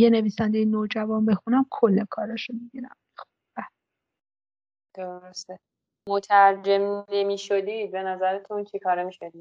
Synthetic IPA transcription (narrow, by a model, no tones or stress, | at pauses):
jene̞viːsænd̪ejenoːd͡ʒævɒːnbe̞xunæmkʰolːekʰɒːɾɒʃomibiɾæ̰m | xu̥ | bæ | d̪̥oɾost̪e | mot̪ʰæɾd͡ʒemnemiːʃod̪ibe̞næzæɾet̪ʰunt͡ʃʰikʰɒːɾemiʃed̪i̥